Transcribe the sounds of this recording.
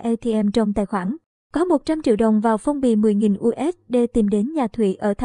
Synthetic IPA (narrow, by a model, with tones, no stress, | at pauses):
ʔɛ˧t̪ʰi˧ʔɛ˧mt͡ɕə˧wŋ͡mt̪a̰ː˧˨jxwaː˧˩n | kɔ˨˦mo˨˩t̚t͡ɕa˧mt͡ɕḭ˧˨əwɗə̰˨˩wŋ͡mvaː˨˩wfə˧wŋ͡mɓḭ˧˨˩mɨ˨˩əjŋi˨˩nʔu˧ʔɛ˦˥t̚ɗe˧˩t̪i˨˩mɗe˨˦nɲaː˨˩t̪ʰwḭ˧˨ʔəː˧˩t̪ʰa˧